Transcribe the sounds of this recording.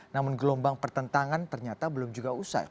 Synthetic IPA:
namʊnɡəlɔmbaŋpərt̪ənt̪aŋant̪ərɲat̪abəlʊmd͡ʒuɡausa̰j

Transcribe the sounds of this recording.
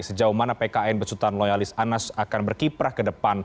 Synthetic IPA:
səd͡ʒauhmanapekaɛnbəsut̪anlojalɪsanasakanbərkipɾahkədəpan

